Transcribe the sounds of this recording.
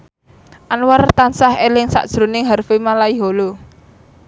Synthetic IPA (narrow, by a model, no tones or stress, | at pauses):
ʔanwart̪ansahelɪŋsa̰ʔd̥ʒ̥ɾo̤nɪŋɦarfimalaiɦolo